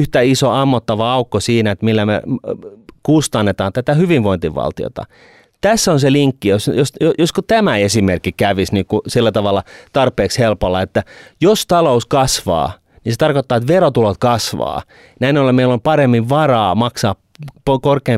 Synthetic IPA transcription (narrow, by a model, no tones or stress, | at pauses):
yht̪æisoɑmːot̪ːɑʋɑɑukːosiːnæet̪milːæmḛ | kust̪ɑnːet̪ɑːnt̪æt̪æhyʋiʋʋoint̪iʋʋɑ̰lt̪io̰t̪ɑ̰ | t̪æsːonseliŋkːijosjosojoskot̪æmæesimerkːikæʋisniːkusilːæt̪ɑʋɑlːˑɑt̪ɑrpˑeːkshelpolːɑet̪ːæjost̪ɑlouskɑsʋɑ̰ː | niset̪ɑrkot̪ːɑːet̪ʋerot̪ulot̪̚kɑsʋɑ̰ː | næinolːemeilːompɑremːiʋʋɑrɑːmɑksɑːp | pokorkeː